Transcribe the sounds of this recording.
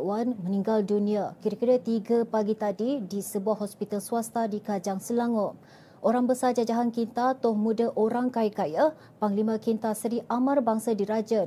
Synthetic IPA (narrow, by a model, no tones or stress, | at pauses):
wanmə̃nĩŋɡaldunĩakiɾakiɾət̪iɡapaɡit̪adidisəbuahɦɔspit̪alsuast̪adikad͡ʒaŋsəlaŋɔ | ʔoɾaŋbəsad͡ʒad͡ʒaɦankint̪at̪ʊhmũdəʔoɾaŋkajkaja | paŋlimãkint̪asəɾiʔamãrbaŋsadiɾad͡ʒə